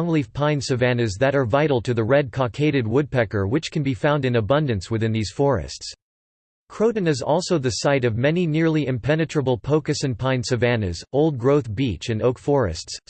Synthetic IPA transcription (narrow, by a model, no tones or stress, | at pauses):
ŋlivpʰãɪ̃nsɨvæ̃nɨzðɨɾə˞vaɪɾl̩ˠtʰɨðɨɹɛd̚kʰɑkʰeɪɾɨd̚wʊd̚pɛkə˞wɨt͡ʃkʰɨ̃n̩bifãʊ̃ndɨ̃nɨbʌ̃ndɨ̃nswɨθɪ̃nðiz̥fɔɹɨ̰sts | kʰɹ̥oʊdⁿn̩ɨzɔ̰lˠsoʊðɨsaɪɾʌvmɛninɪɹlˠiɨ̃mpʰɛnɨtɹ̥əbl̩ˠpʰoʊkɨsɨ̃npʰãɪ̃nsɨvæ̃nɨ̰zoʊlˠd̚ɡɹoʊθb̥it͡ʃɨ̃noʊkfɔɹɨ̰sts